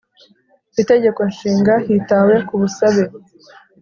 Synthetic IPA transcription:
ite̞ɟe̞ko̞nʃiːŋɡahitawe̞kuβusaβe

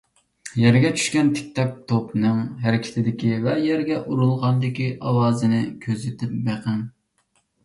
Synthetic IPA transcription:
jɛɾɡʲɛt͡ʃʰy̥ʃkʲɛnt̪ʰɪ̥k̚ʲt̪ɛk̚t̪ʰopnɨŋɦæɾɪkʲʰɪ̥t̪ʰɪd̪ɪkʲivɛjɛɾɡʲɛʔuɾulˠʁɑnd̪ɪkʲiʔɑwɑːzɨnɪkʲʰøzɪt̪ʰɪp̚beqʰɨn

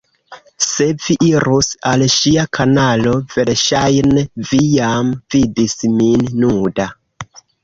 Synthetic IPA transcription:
se̞viʔiɾusalʃiakʰanalo̞ve̞lʃajnevijamvidisminnuda

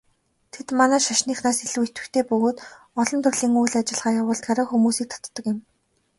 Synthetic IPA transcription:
t̪ʰet̪manæːʃaʃniːχnaːseɮɘ̆wet̪ɘ̆kt̪ʰeːpɵɣoːt̪ | ɔɮɞ̆nt̪ʰɵrɮiːŋujɮat͡ɕɪ̆ɮʁaːjawʊːɮt̪̚ɢaɾə̆xumuːsiːk̚t̪ʰɔ̥t̪ːɞ̆kɪ̆m

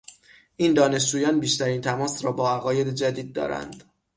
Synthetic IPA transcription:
ʔiːnd̪ɒːne̞ʃ̬d͡ʒuːjɒːnbiːʃt̪ʰæɾiːnt̪ʰæmɒːsɾɒːbɒːæɣɒːje̞d̪ed͡ʒæd̪iːd̪̚ːɒ̰ːɾæ̰nd̪

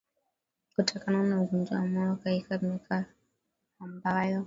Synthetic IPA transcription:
kutɔkananauɡɔnd͡ʒawamɔɔkaikamɛkʰa | ambajɔ

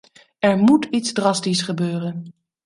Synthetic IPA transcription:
ɛɹmutitzdrɑstisχəbøːrən

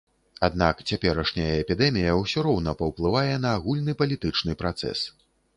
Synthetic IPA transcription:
ad̪nakt͡sʲapʲɛɾɐʂnʲɐjɐɛpʲid̪ɛmʲijɐwsʲɔɾɔwnɐpɐwplˠɨvajɛnɐːɣulʲnɨpɐlʲit̪ɨt͡ʂnɨpɾat̪sɛ̰s

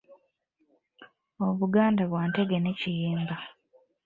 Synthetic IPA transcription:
o̞βuɡaːndaβwaːnte̞ɡenecijeːmba

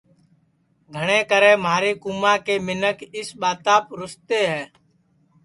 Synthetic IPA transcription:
ɡʱəɽ̃ẽːkəɾẽːmaːɾeːkʊmãːkeːmɪnəkɪsɓaːt̪aːpɾʊst̪eːɦɛː

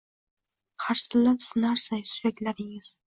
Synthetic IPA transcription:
haɾsɪlapsɪnaɾsajsʊjakʲlaɾɪŋɪz̥

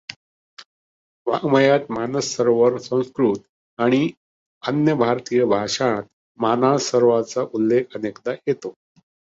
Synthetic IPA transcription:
ʋa̰ɡməjat̪manəsːəɾʋəɾsə̃w̃skɾut̪ | aɽ̃i | ənjəbʱaɾt̪ijəbʱaʂãt̪̚ | manasəɾʋat͡saʔulːekʰənekd̪ajet̪o

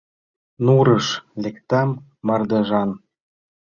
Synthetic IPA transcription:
nuɾəʃlekt̪ɑmː | ɑrd̪ɤʒɑn

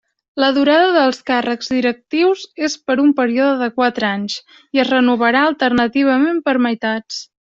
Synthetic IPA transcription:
ləðuɾaðəðəlˠskarəɡzðiɾək̚t̪iwzespəɾumpəɾioðəðəkwat̪ɾaɲs | iəzrənuβəɾaəlˠt̪ərnət̪iβ̞əmempəɾməjt̪at͡s

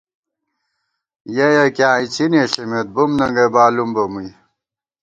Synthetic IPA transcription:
jɐjɐkjãːit͡ɕʰineːɬimet̪̚bumnɐŋɡɐbaːlumbɐmuj

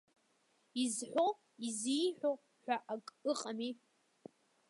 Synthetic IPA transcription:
izħʷo | izijħᶣʷo | ħʷᶣaʔakʼɨqʼami

